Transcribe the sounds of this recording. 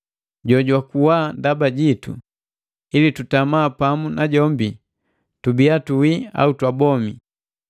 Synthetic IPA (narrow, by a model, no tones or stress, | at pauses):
ɟɔɟwakuwaːndabaɟitṵ | ilitutamaːpamunaɟɔmbi | tubiatuwia̰utwabɔmi